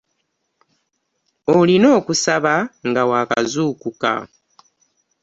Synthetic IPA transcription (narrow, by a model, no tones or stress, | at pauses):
olino̞ːkusaβaŋɡawaːka̰zuːkuka̰